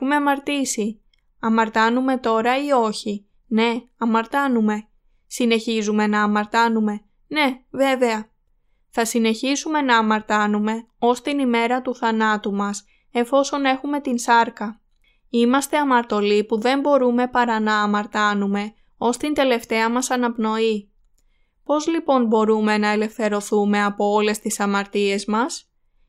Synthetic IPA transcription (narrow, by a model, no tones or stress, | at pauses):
umeɐmɐɾt̪isi | ɐmɐɾt̪ɐnume̞t̪o̞ɾɐio̞çi | ne̞ɐmɐɾt̪ɐnume̞ | sine̞çizume̞nɐːmɐɾt̪ɐnume̞ | ne̞ve̞ve̞ɐ | θɐsine̞çizume̞nɐːmɐɾt̪ɐnume̞ | o̞st̪inime̞ɾɐt̪uθɐnɐt̪umɐs | e̞ɱfo̞so̞ne̞xume̞t̪insɐɾkɐ | imɐst̪e̞ɐmɐɾt̪o̞lipuðe̞mbo̞ɾume̞pɐɾɐnɐːmɐɾt̪ɐnume̞ | o̞st̪ind̪e̞le̞ft̪e̞ɐmɐsɐnɐpno̞i | po̞zlipo̞nbo̞ɾume̞nɐe̞le̞fθe̞ɾo̞θume̞ɐpo̞o̞le̞st̪isɐmɐɾt̪ie̞zmɐs